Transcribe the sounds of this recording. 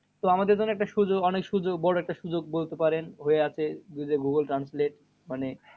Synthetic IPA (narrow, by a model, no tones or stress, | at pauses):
t̪oamad̪eɾd͡ʑonːoɛkʈaʃud͡ʑoɡɔnekʃud͡ʑoɡbɔɾoɛk̚ʈaʃud͡ʑoɡ̚bolt̪epaɾenɦoeat͡ɕʰed̪ud͡ʑeɡuɡəlʈɾansleʈ | mane